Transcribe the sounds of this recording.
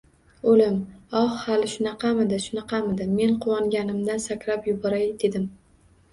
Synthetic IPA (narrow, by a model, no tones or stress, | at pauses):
olɪmɒhhalɪʃʊnɑqʰɑmɪd̪ɪʃʊnɑqʰɑmɪd̪ɪmːe̞nqʰʊwɒŋɡʲanɪmd̪ansakʲɾapjʊbɒɾajd̪e̞d̪ɪm